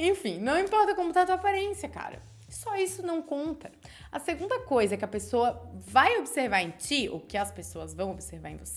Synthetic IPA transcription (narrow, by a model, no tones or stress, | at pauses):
ẽj̃fĩnɐ̃w̃ĩmpɔɾt̪ɐkõmʊt̪at̪uapaɾẽsiɐka̰ɾɐ̰ | sɔisʊnɐ̃w̃kõnt̪ɐ | ɐseɡũnd̪ɐkojzɐɛkɪɐpesoɐvajobɪseɾvaɾẽj̃t͡ʃio̰wkɪɐspesoɐzvɐ̃w̃obɪseɾvaɾḛ̃vose